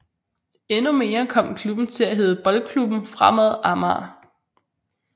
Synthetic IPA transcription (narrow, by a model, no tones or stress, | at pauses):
enume̝ːɐkʰɒ̽m̰kʰlub̥n̩t͡sʰe̝læɦe̝ːð̞ˠəb̥ɒ̽lkʰlub̥n̩fʁamæðˠʔɑmɑ̰ː